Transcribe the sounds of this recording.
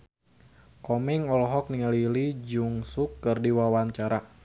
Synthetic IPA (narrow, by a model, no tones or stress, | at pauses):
kɔmiŋɔlɦɔk̚niŋalilid͡ʒuŋsukːɨrdiwawaɲt͡ʃaɾa